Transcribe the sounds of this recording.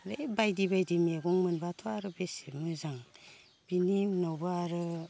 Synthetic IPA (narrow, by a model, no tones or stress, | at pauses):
ɾebajdibajdimeɡuŋmɯnbatʰoaɾɯbesemɯzaŋ | b̥inimnawbɯaɾɯ